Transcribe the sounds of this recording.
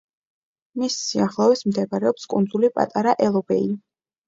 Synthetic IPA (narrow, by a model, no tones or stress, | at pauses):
misːiaχlˠɔvɛsmd̪ɛbaɾɛɔpskʼund̪zulipʼa̰t̪ʼaɾaʔɛlˠɔbɛi